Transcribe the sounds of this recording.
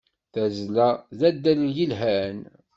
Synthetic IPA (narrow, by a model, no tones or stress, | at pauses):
θæzlæðæd̪ːæljəlɦæn